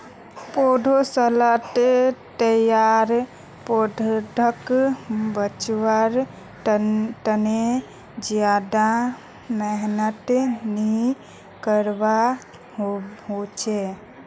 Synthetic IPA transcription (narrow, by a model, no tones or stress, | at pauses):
poɖ̪ʱosələʈt̪əjaɾ | poɖʱɖʰʱək | bət͡ʃwəɾ | ʈəne | d͡ʒjad̪a | mɛɦnət̪ni | kəɾba | ɦot͡ʃʰe